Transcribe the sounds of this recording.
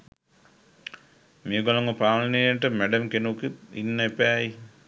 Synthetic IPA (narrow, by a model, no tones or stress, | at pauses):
meːɡolaŋɡəpɾaːnnejəʈəmæɖɐmkenukit̪ḭnːəepæːj